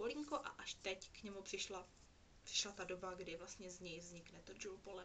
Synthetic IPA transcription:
oliŋkoʔa̰ʔaʃt̪ɛckɲɛmupr̥ɪʃla | pr̥ɪ̥ʃlat̪adobaɡdɪvlast̪ɲɛzɲɛjvzɲɪknɛt̪od͡ʒulpolɛ

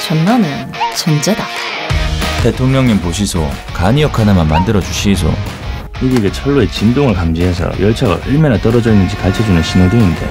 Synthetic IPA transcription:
t͡ɕʌnːanɯn | t͡ɕʌnd͡ʑeda | te̞tʰoŋɲʌŋɲimpoɕ̬ʰisʰo | kaɲijʌkʰanamanmandɯɾʌd͡ʑuɕʰis̬ʰo̰ | ɯɡiɡet͡ɕʰʌɭːoe̞t͡ɕindoŋɯɭkamd͡ʑiɦesʰʌ̰jʌɭt͡ɕʰaɡa̰ʔɯɭmʌnat͈ʌɾʌd͡ʑʌinːɯnd͡ʑikat͡ɕʰʌd͡ʑunɯnɕʰinɯdeinde̞̰

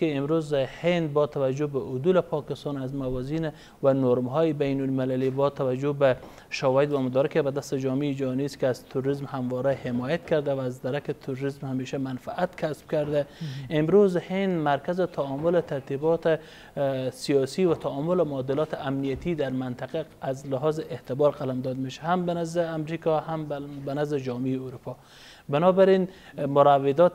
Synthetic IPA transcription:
eɪmɾozhend̪̚bɔt̪ʰawad͡ʒʊbaʔʊd̪ulɪpʰɒkɪst̪ɑnazmawɒzin | wanoɾmɦɔjɪbajnʊlmɪlalibɔt̪ʰawad͡ʒʊba | ʃawɒjɪd̪wamʊd̪ɔːɾɪkɪbad̪ast̪ɪd͡ʒɔmeːd͡ʒaniskɪazt̪ʰuɾɾizmhamvɔɾahɪmɔːjat̪kaɾd̪awaːzd̪aɾakɪt̪ʰʊɾɾizmhameʃamanfaʔat̪kʰasb̥̚kaɾd̪aemɾuzhend̪maɾkʰazɪt̪ʰaɔmʊlɪt̪ʰaɾt̪ʰibɔt̪ | sijɒsiːvat̪ʰaɔmʊlɪmʊɔd̪ɪlɒːt̪ʰɪamnijat̪ʰid̪aɾmant̪ʰaqa | azlɪɦɔzeht̪ɪbɒɾqalamd̪ɔd̪meʃahambanazd̪ɪamɾikʰɔhambanazd̪ɪd͡ʒɒːmiːuɾupʰɒ | bɪnɔbæɾinmʊɾavːed̪ɔt̪

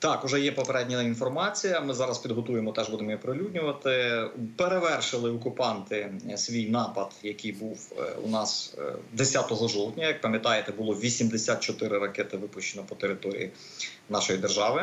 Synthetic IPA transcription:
t̪ɑkʊʒɛjɛpɔpeɾɛdʲnʲɐinfɔrmɑt͡sʲijɐmɪzɑɾɐspʲid̪ɦɔt̪ujemɔt̪ɛʒbud̪emɔipɾɪlʲudʲnʲʊʋɐt̪ɪpeɾeʋɛrʃɪlˠɪɔkʊpɑnt̪ɪsʲʋʲijnɑpɐd̪jɐkijbuwṵnɑsd̪esʲat̪ɔɦɔʒɔwt̪ʲnʲɐjɐk̚pɐmʲjɐt̪ɑjet̪ɛbʊlˠɔʋʲisʲimd̪esʲat̪̚t͡ʃɔt̪ɪɾɪɾɐkɛt̪ɪʋɪpʊʃt͡ʃːenɔpɔt̪eɾɪt̪ɔɾʲḭji | nɑʃɔjid̪erʒɑʋɪ

